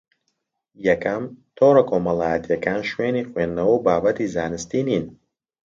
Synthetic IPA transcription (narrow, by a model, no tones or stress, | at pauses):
jɛkʰɐmt̪ʰoːɾɐkʰoːmɐlˠaːjɐt̪ʰjɐkʰaːnʃweːniχweːnːɐwubaːbɐt̪izaːnɨst̪iniːn